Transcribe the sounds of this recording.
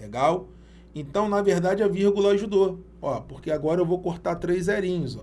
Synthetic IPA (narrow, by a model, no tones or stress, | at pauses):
leɡaw | ẽnt̪ɐ̃w̃nɐveɾd̪ad͡ʒɪɐviɾɡulɐaʒud̪o | ɔpoɾkeaɡɔɾɐewvowkoɾt̪at̪ɾejzɛɾĩɲʊzɔ